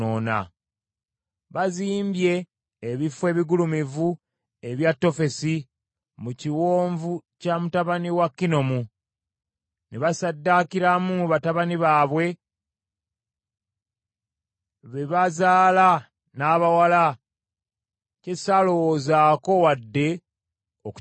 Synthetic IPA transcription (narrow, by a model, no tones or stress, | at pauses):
oːna̰ | βaziːmbje̞ː | βifwe̞ːβiɡulumivu | eβjatːo̞fe̞si | muciwoːɱvucamutaβaniwakːino̞mu | neβasadːakiɾamuβataβaniβaːβwe̞ | βe̞βazaːla | naːβawala | cesalo̞wozaːko̞wadːe̞ | ok